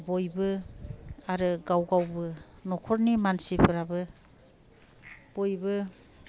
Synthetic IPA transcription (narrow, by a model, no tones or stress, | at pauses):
bojbɯ | aɾɯɡawɡawbɯnɔkʰɔɾnimansibʰɯɾabɯ | b̥ojbɯ